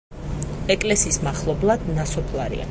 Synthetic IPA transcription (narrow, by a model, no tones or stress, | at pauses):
ɛkʼlɛsismaχlˠɔblˠad̪nasɔpʰlˠaɾḭa̰